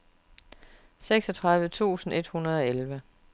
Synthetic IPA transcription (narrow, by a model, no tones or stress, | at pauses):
seɡ̥sɒ̽t͡sʰʁɑðˠʋət͡sʰṵːsn̩e̝d̥hunɐð̞ˠɒ̽elʋə